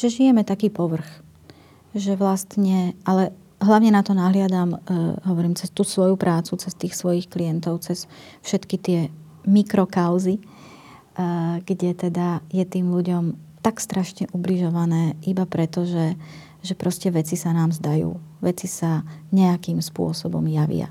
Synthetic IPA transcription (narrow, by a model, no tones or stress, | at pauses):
ʒɛʒijɛmɛt̪akiːpɔʋr̩x | ʒɛʋlast̪ɲɛʔalɛ | ɦlaʊɲɛnat̪ɔnaɦlɪad̪amɦɔʋɔɾiːmt͡sɛst̪uːsʋɔjupɾʔaːt͡sut͡sɛst̪iːxsʋɔjixklijɛnt̪ɔʊt͡sɛsfʃɛt̪kit̪ɪɛ | mikɾɔkaʊzi | ɡ̥ɟɛt̪ɛd̪ajɛt̪iːmʎuɟɔmt̪akst̪ɾaʃɲɛʔubliʒɔʋanɛːʔibapɾɛt̪ɔʒɛ | ʒɛpɾɔscɛʋɛt͡sisanaːmzd̪ajṵːʋɛt͡sisaɲɛakiːmspʊɔsɔbɔ̰mjaʋɪ̰a̰